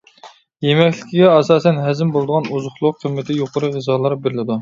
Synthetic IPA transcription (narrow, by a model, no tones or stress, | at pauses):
jemɛkʲlɪkʲʰiɡʲɛɑsɑːsɛnɦɛzɪmbolˠd̪əʁɑnuzʊχlˠʊqqʰəmːɪt̪ʰɪjoqʰʊɾɨʁəzɑːlˠɑɾbeɾɪlɪd̪u